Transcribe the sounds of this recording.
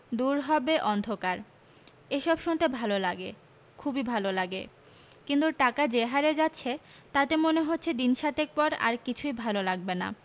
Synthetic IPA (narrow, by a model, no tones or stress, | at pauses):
d̪uɾɦɔbeʔɔnd̪ʱokaɾ | eʃɔbʃunt̪ebʱalolaɡe | kʰubibʱalolaɡe | kint̪uʈakad͡ʑeɦaɾed͡ʑatːɕʰe | t̪at̪emoneɦotːɕʰed̪inʃat̪ek̚pɔɾa̰ɾkit͡ɕʰujbʱalolaɡ̚bena̰